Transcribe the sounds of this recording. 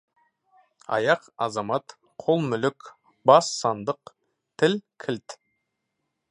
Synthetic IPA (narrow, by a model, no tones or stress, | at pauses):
ɑ̰jɑqɑzɑmɑt̪ | qʰolˠmʏlʏkʲ | bɑsːɑnd̪əq | t̪ʰɪlkʲʰɪlt̪